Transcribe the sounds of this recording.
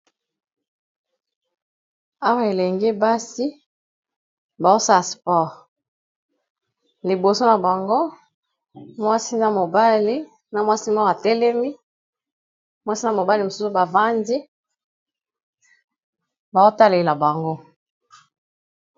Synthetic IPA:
a˦wa˦e˨lɛ˨ŋɡe˦ba˦si˦ | ba˨zo˦sa˦˨spɔ˦˨ʁ | li˨bo˨so˦na˨ba˨ŋɡo˦ | mwa˦si˦na˨mo˨ba˦li˦ | na˨mwa˦si˦ma˦˨a˨tɛ˦lɛ˦mi˦ | mwa˦si˦na˦mo˨ba˦li˨mo˨su˦u˦ba˨va˦ndi˦ | ba˨o˦ta˦le˨la˨ba˨ŋɡo˦

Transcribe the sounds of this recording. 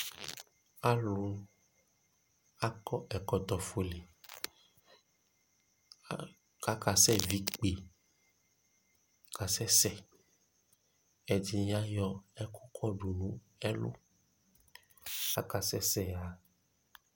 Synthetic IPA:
a˦lu˨˦ | a˦kɔ˦ʔɛ˨kɔ˨t̪ɔ˨fo˨le˨˦ | ka˨˦ka˨sɛ˦˨vi˨˦k͡pe˨ | ka˨sɛ˦sɛ˦˨ | ɛ˨d͡ʒi˧˦a˦jɔ˧ɛ˦kʰu˦kʰɔ˦˨ɖu˨nũ˨˦ | ɛ˦lṵ˦ | a˦ka˨sɛ˦sɛ˦˨a˨˦

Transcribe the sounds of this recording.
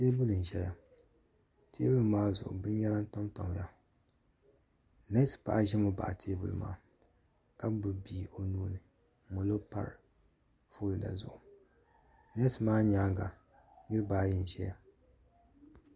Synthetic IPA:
teː˦bʊ˦lɨ˨n̩˨ʒɛ˨ja˨ | teː˦bʊ˦lɨ˨maː˦zʊ̰˨ʔʊ̰˨bɨ˦n˦ɲa˦ɾa˦n˦ta˦mta˨m˨ja˦ | ne˦spa̰˨ʔa˦˨ʒɛ˦mo˦ba̰˨ʔa˨tʰeː˦bʊ̰˦lɨ˨ma̰ː˦ | ka˦bɨ˨biː˦o˨nuː˦nɨ˨˦ | mo˨lo˦pa̰˨ɾ̰ | fo˦lɨ˨da̰˨zʊ̰˨ʔʊ˨ | ne˦smaː˦ɲaː˦ɡa˨ | ji˦ɾɨ˦baː˦ji˦n˨ʒɛ˦ja̰˦˨

